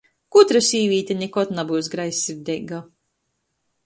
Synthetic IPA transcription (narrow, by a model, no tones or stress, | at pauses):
kut̪ɾasʲiːvʲiːt̪ʲanʲɛkɔt̪nabuːsɡɾajsːiɾd̪ʲɛɡa